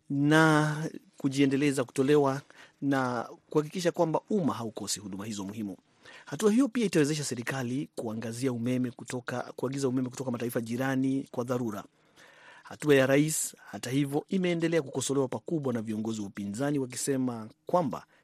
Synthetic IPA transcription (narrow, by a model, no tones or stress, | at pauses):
na | kuʄiɛndɛlɛzaku̥tɔlɛwanakuhak̬ikiʃ̬akwambaumaɦaukɔsihuɗumahizɔmuhimu | hatuahijɔpiaitawɛzɛʃ̬asɛɾikalikuaŋɡaziaumɛmɛakuaɡizaumɛmɛku̥tɔkamataifaʄiɾanikwaðaɾuɾa̰ | hatuajaɾaishatahivjɔimɛːndɛlɛakukɔsɔlɛwapakuɓwanaviɔŋɡɔziwaupinzaniwak̬isɛmakwamba̰